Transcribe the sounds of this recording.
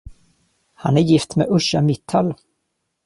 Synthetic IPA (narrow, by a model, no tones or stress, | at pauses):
hanæɾjɪft̪meʔɵʂamɪt̪ʰːal